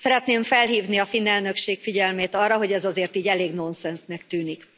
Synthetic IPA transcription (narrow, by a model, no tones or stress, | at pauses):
sɛɾɛt̪neːɱfɛlɦiːvniɒfinːɛlnø̞kʃeːkfiɟɛlmeːt̪ɒrːɒɦo̞ɟɛzɒzeːrt̪iːɟɛleːɡno̞nsɛnsnɛkt̪yːnik